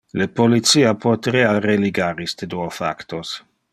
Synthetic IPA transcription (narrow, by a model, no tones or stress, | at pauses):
lepolit̪siːapʰot̪ɾeareliɡaɾist̪ed̪uofa̰kt̪os